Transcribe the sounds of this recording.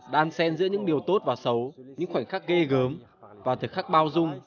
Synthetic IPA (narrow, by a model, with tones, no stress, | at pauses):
ɗaː˧nsɛ˧nzɨ̰˧˥ɲɨ̰˧˥ŋɗi˨˩əwt̪o˦˥t̚vaː˨˩sə˨˦wɲɨ̰˧˥ŋxwa˧˩ŋ̟xaː˦˥k̚ɣe˧ɣəː˨˦m | vaː˨˩t̪ʰɨ˨˩xa˦˥k̚ɓaː˧wzʊ˧ŋ͡m